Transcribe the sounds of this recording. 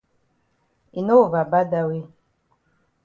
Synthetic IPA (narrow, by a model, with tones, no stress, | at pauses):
i˨no˦˨va˨ba˦da˦˨we˦